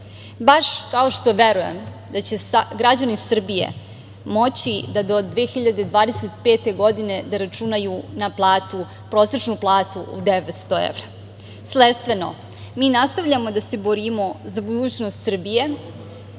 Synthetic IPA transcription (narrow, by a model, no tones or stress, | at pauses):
baʃkao̞ʃt̪o̞ʋe̞ɾuje̞̰m | d̪at͡ɕe̞sɡɾad͡ʑanisr̩bije̞̰ | mo̞t͡ɕid̪ad̪o̞d̪d̪ʋeːxiʎad̪ed̪ʋaːd̪e̞se̞t̪peːt̪e̞ɡo̞d̪ine̞d̪aɾat͡ʃunajunaplˠaːt̪u | pɾo̞ːse̞t͡ʃnuplˠaːt̪uʔṵd̪eʋet̪st̪oḛʋɾa | slet̪st̪ʋeno̞̰ | miːnast̪aʋʎamo̞d̪ase̞bo̞ɾimo̞zabud̪uːt͡ɕnost̪sr̩bije̞